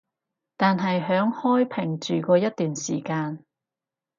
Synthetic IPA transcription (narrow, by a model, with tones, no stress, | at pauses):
t̪aː˨nɦɐ˨jɦœː˨˥ŋhɔː˥jpʰɪ˨˩ŋt͡ʃyː˨kʷɔː˧jɐ˥t̚t̪ːyː˨nsiː˨˩kaː˧n